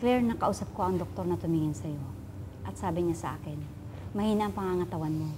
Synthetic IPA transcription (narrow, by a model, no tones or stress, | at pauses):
klɛɹnɐkɐʔuːsɐp̚koʔɐŋd̪ok̚t̪o̞ɾnɐt̪ʊmiŋɪnsɐjo̞ | ʔɐt̪̚saːbɪɲasɐʔa̰ːkɪn | mɐhiːnaʔɐŋpɐŋaŋɐt̪ɐwanmo̞